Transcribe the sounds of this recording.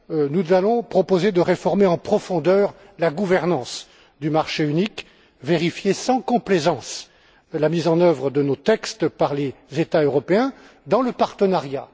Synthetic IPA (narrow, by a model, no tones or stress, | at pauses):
nuzalɔ̃pχɔpozed̪əʁefɔʁmeɑ̃pχɔfɔ̃d̪œːʁ | laɡuvɛʁnɑ̃s | d̪ymaʁʃeynik | veʁifjesɑ̃kɔ̃plezɑ̃s | lamizɑ̃nœvʁəd̪ənot̪ɛkst̪paʁlezet̪aøʁɔpeɛ̃ | d̪ɑ̃ləpaʁt̪ənaʁja̰